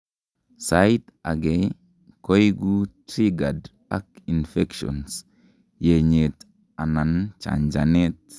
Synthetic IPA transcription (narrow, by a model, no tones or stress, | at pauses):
sajt̪ɐɡej | kɔjɡut̪ɾiɡɐd | ɐkɪnfɛkʃɔ̰ns | jeɲet̪ | ɐnɐnt͡ʃa̰nd͡ʒɐnet̪